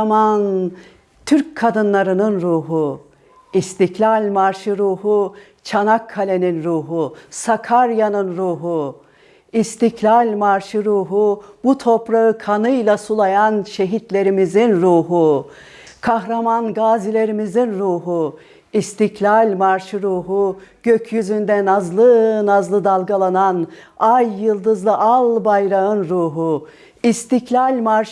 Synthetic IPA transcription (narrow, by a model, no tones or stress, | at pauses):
man | t̪ʰyɾc̚kʰːad̪ɯnlˠaɾɯnɯnɾuːɦu | ist̪ʰiclʲalʲmaɾʃɯɾuːhu | t͡ʃʰanakʰːalʲe̞ninɾuːɦusakʰaɾjanɯnɾuːɦu | ist̪ʰiklʲalʲmaɾʃɯɾuːɦubut̪ʰo̞pɾaɯkʰanɯjlˠasulˠajanʃe̞ɦit̪lʲe̞ɾimizinɾuːɦu | kʰaɦɾamanɡaːzilʲe̞ɾimizinɾuːɦu | ist̪ʰiclʲalʲmaɾʃɯɾuːɦuɟ̥øcʰjyzynd̪ɛnazlˠɯnazlˠɯd̪alˠɡalˠananajːɯlˠd̪ɯzlˠɯʔalˠbajɾaɯnɾuːɦu | ist̪ʰiclʲalʲmaɾʃ